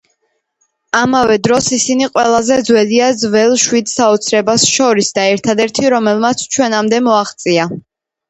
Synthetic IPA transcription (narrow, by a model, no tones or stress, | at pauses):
amavɛd̪ɾɔsisiniqʼwɛlˠazɛd̪zwɛliad̪zvɛlˠʃwid̪saɔt̪sʰɾɛbasʃɔɾisd̪aɛɾt̪ʰad̪ɛɾt̪ʰiɾɔmɛlˠmat̪sʰt͡ʃʰwɛnamd̪ɛmɔaχt̪sʼia